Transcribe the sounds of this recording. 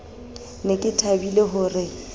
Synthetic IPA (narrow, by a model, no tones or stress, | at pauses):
nekʼɪtʰabileɦʊrɪ